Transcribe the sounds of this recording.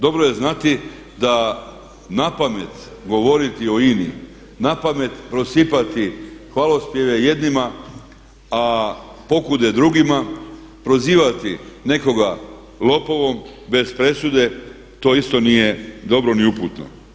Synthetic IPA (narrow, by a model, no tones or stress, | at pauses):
d̪o̞bɾoje̞znat̪i | d̪a | napame̞t̪ | ɡo̞ʋo̞ɾit̪io̞inḭ | napame̞t̪pɾo̞sipat̪ixʋalospjeʋeje̞d̪nima | a | po̞kud̪e̞d̪ɾuɡima | pɾo̞ziːʋat̪ine̞ko̞ɡa | lo̞poʋo̞m | be̞spɾe̞sud̪e̞ | t̪o̞ːist̪o̞nije̞d̪o̞bɾo̞niuput̪no̰